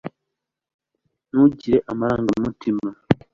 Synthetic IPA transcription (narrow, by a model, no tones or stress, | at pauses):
nuɟiɾe̞ʔamaɾaːŋɡanumutʰima